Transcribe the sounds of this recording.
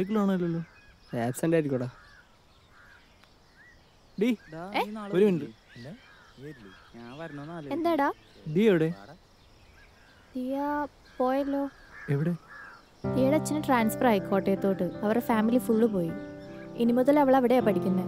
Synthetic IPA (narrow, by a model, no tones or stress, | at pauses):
ik̬ːilaːɳɐlːelːoː | eːsɐndaːʈːikʲːoɽa | ɖieoɾuʋinɖɨ | end̪aːjɽaː | ɖieʋiɽe | d̪ija | po̞ːjɐlːoː | eʋiɽe | iːɽɐt͡ɕːɐnɨʈraːnsfɐraːjikːo̞ːʈːejɐt̪ːoːʈːɨɐʋɐrefaːmilifuɭːɨpo̞ːjiinimuðɐlɐʋɐɭɐʋiɽeapɐʈʰikʲːunːɐ